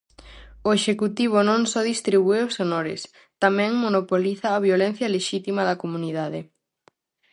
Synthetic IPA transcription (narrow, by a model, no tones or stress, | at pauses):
oeʃekut̪iβ̞onõŋsɔðist̪ɾiβueosenoɾɪ̰s | t̪amɛ̃ŋmonopoliθɐːβjolen̟θjɐleʃit̪imɐðɐkomuniðaðɪ